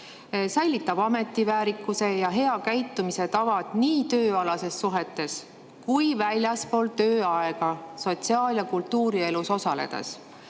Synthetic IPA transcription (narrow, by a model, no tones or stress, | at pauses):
sæjlːit̪ːˑɑb̥ɑme̞t̪ːˑivæːɾikːˑuse̞jɑɦe̞ɑkæjt̪ˑːumise̞t̪ɑvɑd̪̥niːt̪ø̞ːɑlɑse̞sːuɦe̞t̪ːˑe̞s | kujvælʲjɑspo̞ːlt̪ø̞ːɑeɡ̥ɑso̞t̪siɑːljɑkult̪ːuːɾie̞luso̞sɑle̞̰d̪̥ḛs